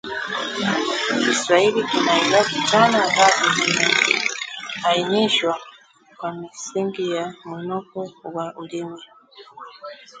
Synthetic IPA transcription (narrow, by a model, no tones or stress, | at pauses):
isɾailikinailatit͡ʃanaɡazikimikḭhainiʃwa | kwamisiŋɡijamunɔkɔwaʔulimwɛ